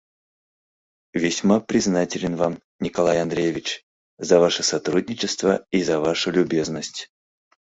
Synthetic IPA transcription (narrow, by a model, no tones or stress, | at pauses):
vʲɪsʲmapɾʲɪznatʲɪlʲɪnvam | nʲɪkɐlˠajɐnd̪ɾʲejevʲɪt͡ɕ | zɐvaʂɨsɐt̪ɾudʲnʲɪt͡ɕɪst̪vəizɐvaʂʊlʲʊbʲe̞znəsʲtʲ